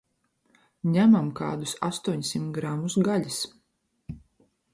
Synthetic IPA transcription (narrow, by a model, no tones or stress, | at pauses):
ɲæmamka̰ːd̪usa̰st̪uɔɲsimt̪ɡɾamusɡaʎis